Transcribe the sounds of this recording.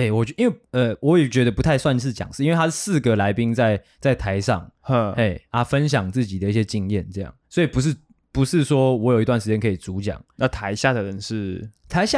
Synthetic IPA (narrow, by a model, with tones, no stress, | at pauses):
e˥˩ɪwɔ˨˩t͡ɕʔi˥nwe˥˩ɪə˨wɔ˨˦jɛ˨˩t͡ɕɥɛ˧˥d̪ə˧pu˧˥t̪ʰa˥˧ɪswa˥˧nʂɻ̩˥˩t͡ɕjɑ̰˨˩ŋʂ̩˥˧nwe˥˩˧a˥ʂ̩˥˧sɹ̩˥˩ɡə˩la˧˥ɪpi˦˥ŋt͡sa˥˧˩ɪ | t͡sa˥˩ɪt̪ʰa˧˦ɪʂɑ̰˥˨ŋə˥˧e˥˩ɪa˥˦fə˦nɕ̬jɑ˨˩ŋt͡sɹ̩˥˩t͡ɕi˨˩d̪ə˦i˥˩ɕjɛ˦˥t͡ɕi˧ŋjɛ˥˨nt͡sɤ˥˧jɑ̰˥˩ŋswɔ˧˥i˨pu˧˥ʂ̬̩˥˩ | pu˧˦ʂɻ̩˥˩swɔ˥wɔ˧˥jo˨˩i˧t̪wa˥˩nʂ̩˧t͡ɕjɛ˥nkʰɤ˧˥i˨˩t͡su˧˦˥t͡ɕjɑ̰˨˩˦ŋna˥˩t̪ʰa˧˦ɪɕja˥˩d̪ə˩ɻə˦nʂɻ̩˥˩t̪ʰa˧˥ɪɕja˥˨